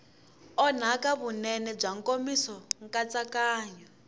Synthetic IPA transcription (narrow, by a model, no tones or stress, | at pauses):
ɔn̤akaβunɛnɛb͡ʐaŋkʼomisɔŋkat͡sakaːɲɔ